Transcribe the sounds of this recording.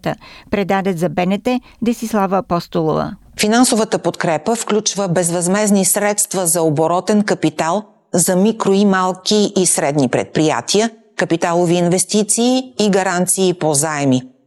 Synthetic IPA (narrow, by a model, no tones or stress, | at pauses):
t̪ə̰pɾɛd̪ad̪ɛt̪zɐbɛnɛt̪ɛ | d̪ɐsislˠavəːpɔst̪olˠovə̰ | finansovət̪əpot̪kɾɛpəfklʲut͡ʃvəbɛzvɐzmɛznisɾɛt̪st̪vəzɐoboɾɔt̪ɛnkɐpit̪alˠ | zɐmikɾoimalˠkiʔisɾɛd̪nipɾɛ̰t̪̚pɾija̰t̪ʰiə | kɐpit̪alˠoviːnvɛst̪it̪siːɡɐɾant̪siːpozaɛmi